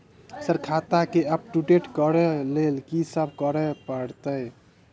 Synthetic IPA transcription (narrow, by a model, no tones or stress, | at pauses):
səɾkʰat̪akeəp̚ʈuʈeʈkəɾɛlelkisəbʱkəɾɛpəɽt̪əj